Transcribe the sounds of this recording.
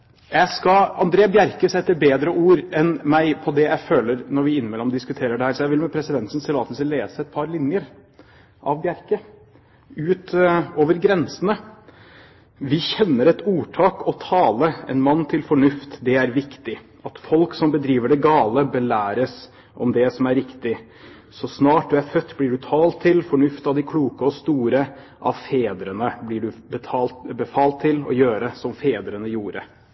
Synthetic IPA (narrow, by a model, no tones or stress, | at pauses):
jæɪskɑɑ̰nd̪ɾeːəbjæɾkəsɛt̪ːəbeːd̪ɾəʔuːɾɛnmæɪpʰɔd̪ɛjæɪføːləɾnɔɾʋɪɪnmɛləɾɔmd̪ɪskʉt̪ʰeːɾəɖɛhæːɾsɔjæɪʋɪlmɛpʰɾɛsɪd̪ɛnt̪snsɛlɑːt̪ənsəleːsəɛt̪̚pʰɑɾlɪnjəɾ | ʔɑ̰ʋbjæɾkə | ʉːt̪oːʋəɾɡɾɛnsənə | ʋɪçɛnːəɾɛt̪uːʈʰɑːkʰɔt̪ʰɑːləɛ̰nmɑnːt̪ʰɪlfɔɳʉft̪d̪ɛæɾʋɪkt̪ɪ | ɑt̪fɔlksɔmbəd̪ɾiːʋəɖɛɡɑːləbəlæːɾəs | ʔɔ̰md̪ɛsɔmæɾːɪkt̪ɪ | sɔsnɑːʈ̚d̪ʉæɾfœt̪ːblɪɖʉt̪ʰɑːlt̪ʰːɪlfɔɳʉft̪ɑʋd̪ɪkʰluːkəɔst̪uːɾə | ʔɑ̰ʋfeːd̪ɾənəblɪɖʉbət̪ʰɑːlbəfɑːlt̪ʰːɪlɔ̰jøːɾəsɔmfeːd̪ɾənəjuːɾə